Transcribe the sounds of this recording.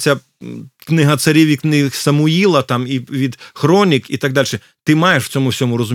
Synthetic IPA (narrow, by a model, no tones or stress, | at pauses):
sʲɐ | knɪɦɐt̪sɐɾʲiʋʲiknɪsɐmʊilˠɐt̪ɑmiʋʲid̪xɾɔnʲikit̪ɐɡd̪ɑlʲʃɛ | t̪ɪmɑjeʃwt͡sʲɔmʊfsʲɔmʊɾɔzʊ